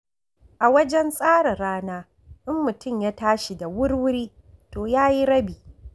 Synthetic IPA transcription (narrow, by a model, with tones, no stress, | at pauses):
ʔa˨wɐ˦d͡ʒɛ˦nsʼaː˦ɽɐ˨ɾaː˦naː˦ | ʔɪ˦mːʊ˨tʊ˦˨mjaː˦taː˦ʃi˨da˨wʊ˦rwʊ˦ɾiː˦ | toː˨jaː˦ji˦ɾɐ˦biː˨